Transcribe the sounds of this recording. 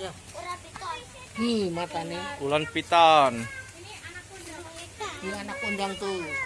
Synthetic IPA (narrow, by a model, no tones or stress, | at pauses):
imat̪aneulanpit̪an | ianakpondaŋt̪u